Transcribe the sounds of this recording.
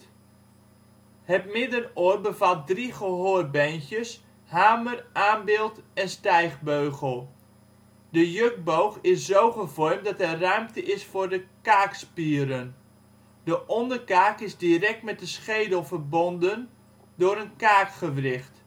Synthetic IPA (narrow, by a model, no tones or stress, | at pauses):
hətmɪdənoːrbəvat̚driχəɦoːrbɛnkjəs | haːmərʔaːnbɪːlˠtɛnstɛjχbøɥɣəlˠ | dəjøk̚bowχɪszowχəvɔrmtdɑtɛrœɥmtəʔɪsfʊrdəkaːkspiəɾən | dəʔɔndərkaːkɪzdirɛk̚tmɛt̚dəsχejdəlˠvərbɔndən | dʊːɾənkaːkχəʋrɪχt